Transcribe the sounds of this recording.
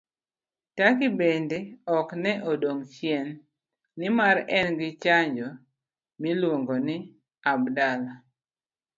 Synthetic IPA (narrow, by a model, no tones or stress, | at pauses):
takɪbendeɔknɛʔodoŋt͡ʃjɛnː | ɪmaɾɛnɡɪt͡ʃaɲd͡ʒɔ | mɪlwoŋɡonɪ | abdala